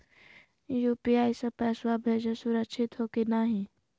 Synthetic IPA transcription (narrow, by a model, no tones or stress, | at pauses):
juːpiaːɪsepɛːswabʱeːd͡ʒesʊɾəkʃʰɪt̪ɦoːkenaːɦĩ